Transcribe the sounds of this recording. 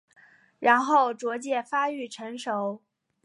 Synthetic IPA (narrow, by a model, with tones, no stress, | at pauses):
ɻa˧˥nxo˥˩ʊʈ͡ʂwɔ˧˥t͡ɕjɛ˥˩fa˥y˥˩ʈ͡ʂʰə˧˥ŋʂo˧˥ʊ